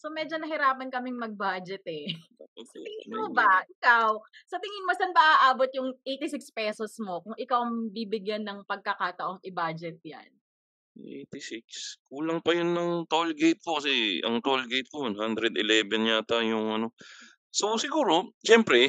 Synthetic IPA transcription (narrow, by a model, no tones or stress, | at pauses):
somɛːd͡ʒonɐɦɪɾaːpɐnkɐmɪŋmɐɡ̚baːd͡ʒɛt̪ɛ | ooo̰ɪɪnmobɐʔɪkawsɐt̪ɪŋɪnmosɐnbɐʔaːʔaːbot̪̚jʊŋʔejt̪ɪsɪkspɛːsosmo̞kʊŋʔɪkawɐŋbibɪɡjanːɐŋpɐɡ̚kɐkaːt̪ɐʔoŋʔɪbaːd͡ʒɛt̪̚ja̰n | ʔḛjt̪ɪsɪk̚skuːlɐŋpɐjonːɐŋt̪olɡejt̪̚kokɐsɛɐ̰ŋt̪olɡejt̪̚konhand̪ɾɛd̪ɪlɛːvɛnɲat̪ajʊŋɐno̞ | sosɪɡuːɾo̞ʃɛmpɾɛ